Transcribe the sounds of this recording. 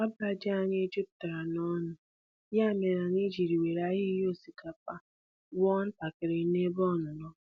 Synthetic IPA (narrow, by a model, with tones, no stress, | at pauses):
a˦ba˦d͡ʒa˦ɲe˦d͡ʒi˦p̚ta˨ɾa˨nɔ˦nʊ˨ | ja˦˨me˨ɾa˨ni˦d͡ʒi˨ɾi˨we˨ɾa˦ɦi˦jo˦˨si˨kʰa˨pa˦ | wɔ˦n̩˦ta˨kɪ˨ɾɪ˨˦ne˦bɔ˦˨nʊ˨nɔ˦